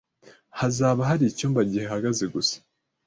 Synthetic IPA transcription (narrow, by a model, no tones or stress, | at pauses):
hazaːβaɦaɾicuːmbaɟihehaɡazeɡusḁ